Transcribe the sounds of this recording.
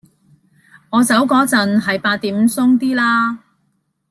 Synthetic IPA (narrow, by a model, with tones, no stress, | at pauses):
ŋɔː˨˧t͡sɐ˨˥wkɔː˨˥t͡sɐ˨nɦɐ˨jpaː˧t̪̚ːiː˨˥m̩˨˧sʊ˥ŋt̪iː˥laː˥